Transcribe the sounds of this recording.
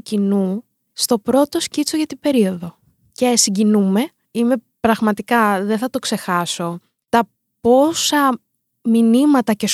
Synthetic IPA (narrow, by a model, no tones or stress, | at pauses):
cinu | st̪o̞pɾo̞t̪o̞scit͡soʝɐt̪ibe̞ɾio̞ðo̞ | cesiɟinume̞ | ime̞pɾɐɣmɐt̪ikɐðeθɐt̪o̞kse̞xɐso̞ | t̪ɐ | po̞sɐ | minimɐt̪ɐces